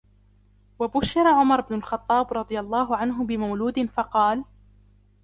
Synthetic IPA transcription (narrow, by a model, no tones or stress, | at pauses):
wabʊʃːɪɾˤaʕʊmɑɾˤɪbnʊlxɑt̪ˤːɑːbɾˤɑd̪ˤɨjalˤːɑːɦʊʕanɦʊbɪmawluːd̪ɪnfɑqɑːl